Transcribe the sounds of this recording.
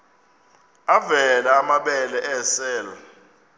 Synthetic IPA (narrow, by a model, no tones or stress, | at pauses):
avɛlaːmaɓɛlɛʔɛsɛːlɔ